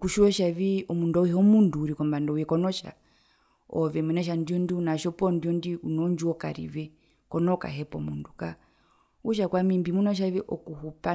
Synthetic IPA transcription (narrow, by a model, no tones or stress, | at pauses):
kuʃiɔʃaʋiʔɔmundɔihɔmunduːɾikɔmbandɔjɛkɔnɔʃa̰ | ɔʋɛmɛnɛʃ̬andiɔndiunaʃɔpɔndiɔndiunɔɲd͡ʒuɔka̰ɾḭʋɛ | kɔnɔka̰ɦɛpɔ̰munduka | uʃ̬akwamimbimunɔʃ̬aʋɛʔɔkuhupa